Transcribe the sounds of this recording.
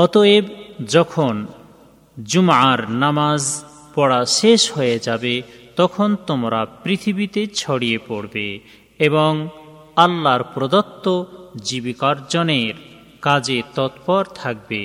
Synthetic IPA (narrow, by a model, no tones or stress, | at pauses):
ɔt̪oebd͡ʑɔkʰon | d͡ʑumʕaɾnamaz | pɔɽaʃeʃɦojed͡ʑabet̪ɔkʰont̪omɾapɾit̪ʰibit̪et͡ɕʰɔɽijepoɽbe | eboŋ | alːaɾpɾod̪ɔt̪ːod͡ʑibikaɾd͡ʑɔneɾ | kad͡ʑet̪ɔt̪pɔɾt̪ʰak̚bḛ